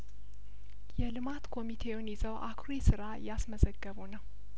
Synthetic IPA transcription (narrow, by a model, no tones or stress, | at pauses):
jɛlɨmat̪kʰo̞mit̪ʰe̞wʊnjɪzəwʔakʰɾesɨɾajasməzəɡːəβunəw